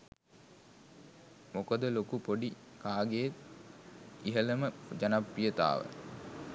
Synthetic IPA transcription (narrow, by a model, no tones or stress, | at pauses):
mokəd̪əlokupoɖi | kaːɡejet̪ | iɦələməd͡ʒanapːijət̪a̰ːʋə̰